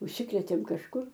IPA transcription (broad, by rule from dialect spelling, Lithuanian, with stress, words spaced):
ʊʃʲˈsʲɪkrʲeːtʲeːm kɐʃˈkʊr